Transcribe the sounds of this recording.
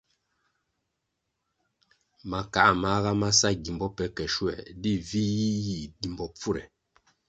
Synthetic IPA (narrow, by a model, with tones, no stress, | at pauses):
ma˨ka˨ʔa˨ma˨˦ɣa˦ma˦sa˦ɡi˨mbɔ˦pɛ˨˦kɛ˨ʃwɛ̰˨di˦vi˦ji˦ji˨ɡi˨mbɔ˨p͡fu˦˨ɾɛ̰˨